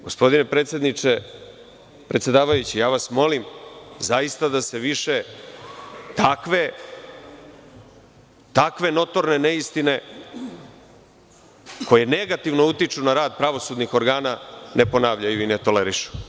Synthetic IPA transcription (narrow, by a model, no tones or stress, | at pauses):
ɡo̞spo̞d̪inepɾet̪sjed̪nit͡ʂe | pɾet̪sje̞d̪aːʋajut͡ɕijaːʋasmo̞limzaist̪ad̪ase̞ʋiʃe̞ | t̪akʋe̞ | t̪akʋe̞no̞t̪o̞ɾne̞neist̪ine̞ | ko̞je̞ne̞ɡat̪iʋno̞ut̪it͡ʂunaɾaːd̪pɾaʋo̞sud̪nixo̞ɾɡaːnane̞po̞naːʋʎajuinet̪o̞leɾiʃu̥